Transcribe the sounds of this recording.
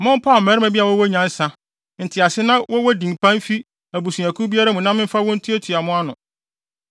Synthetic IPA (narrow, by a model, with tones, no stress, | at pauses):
mʊ̃˦m˦pʰa˦˨mɛ˨ɾmæ̃˨bi˦a˨wɔ˦wɔ˦ɲã˨˦n̩˦sã˦ | n̩˨tʰɪ˨a˨sɪ˦nã˦wɔ˦wɔ˦dĩ˨mpʰã˦n˦fi˦ | æ˨bu˨sũ˨æ˨kʰu˦bi˦a˦ɾa˦mũ˨nã˦mɪ̃˦m̩˦fa˦wɔ̃˦n̩˦tʰi˦æ˦tʰu˨a˨mʊ̃˦a˦nʊ̃˨